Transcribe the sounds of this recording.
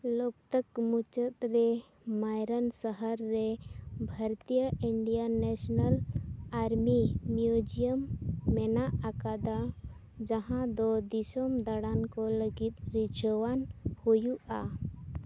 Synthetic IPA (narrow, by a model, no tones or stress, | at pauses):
lɔk̚t̪əkmut͡ʃət̪̚ɾɛ | majɾənsəɦəɾːɛbʱəɾt̪ijəiɳɖijanɛsnəlaɾmimjud͡ʒijəmːɛnaʔːkad̪a | d͡ʒaɦãd̪ɔd̪isɔmd̪aɽankɔləɡit̪̚ɾid͡ʒɔwanhujuʔa̰